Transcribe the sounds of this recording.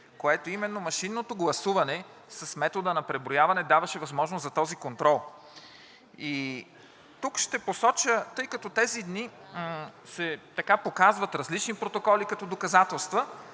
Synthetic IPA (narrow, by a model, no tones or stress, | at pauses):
koɛt̪oimɛnːomɐʃinːot̪oɡlˠɐsuvɐnɛ | sɐsmɛt̪od̪ənɐpɾɛbɾojavɐnɛd̪avɐʃɛvɐzmɔʒnoszɐt̪ɔzikont̪ɾɔlˠ | i | t̪ukʃt̪ɛposɔt͡ʃət̪ɤjkɐt̪ɔt̪ɛzid̪ni | sɛt̪ɐkapokazvɐt̪ɾɐzlit͡ʃnipɾot̪okɔlikɐt̪ɔd̪okɐzat̪ɛlˠst̪və